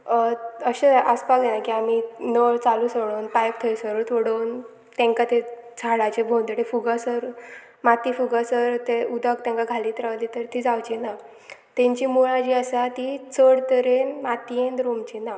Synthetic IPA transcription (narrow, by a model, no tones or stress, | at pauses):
əɕeaʔəspaɡd̪enakiaminəɭt͡salusoɽonpajk̚t̪ʰəjsəɾot̪ʰoɽown | t̪ɛ̃ŋkat̪et͡sʰaɭat͡ɕebʱownd̪əʈefuɡasəɾ | mat̪iːfuɡasəɾt̪eud̪ʱək̚t̪ɛ̃ŋkaɡʱalit̪ɾaʋlit̪əɾt̪iːd͡zawt͡ɕina | t̪ẽɲt͡ɕimuɭad͡ʑiəsat̪it͡səɽt̪əɾenmat̪iend̪ɾomt͡ɕina